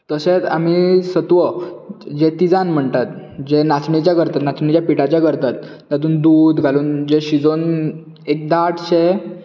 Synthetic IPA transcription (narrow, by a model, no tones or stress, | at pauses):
t̪əset͡sa̰m̤isət̪ʋəd͡ʑet̪id͡zanm̤əɳt̪at̪d͡ʑenat͡sɳit͡ɕjaɡəɾt̪at̪nat͡sɳit͡ɕjapiʈat͡ɕjaɡəɾt̪at̪ː | at̪̬uːnd̪uːd̪ɡʱaluːnd͡ʑeɕid͡zon | ek̚d̪aʈɕe